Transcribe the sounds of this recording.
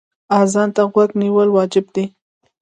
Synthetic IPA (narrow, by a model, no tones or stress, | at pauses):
azɑnt̪aɣwaɡniwəlwɑd͡ʒɪbd̪i